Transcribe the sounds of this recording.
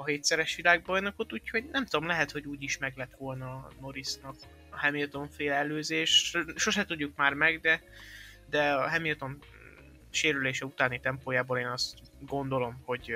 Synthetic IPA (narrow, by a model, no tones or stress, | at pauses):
ɒɦeːt̪sɛɾɛʃʋilaːɡ̚bɒjnɒkot̪ːuːcho̞ɟnɛmt̪ud̪o̞mlɛɦɛt̪ho̞ɟuːɟiʃmɛɡlɛt̪ʋo̞lnɒno̞ɾisnɒk | hɛmilt̪o̞ɱfeːlɛløːzeːʃʃo̞ʃɛt̪uɟːukmaːrmɛɡd̪ɛ | d̪ɛɒɦɛmilt̪o̞n | ʃeːɾyleːʃɛut̪aːnit̪ɛmpoːjaːboːleːnɒst̪t̪ | ɡo̞nd̪o̞lo̞mho̞ɟ